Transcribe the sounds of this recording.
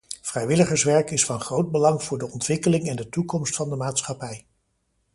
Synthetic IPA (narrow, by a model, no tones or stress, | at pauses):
v̥rɛjʋɪləχəɹsʋɛɹkɪsfɑnχrowd̚bəlɑŋvʊːɹdəɔntʋɪkəlɪŋɛndətukɔmstfɑndəmaːtsχɑpɛj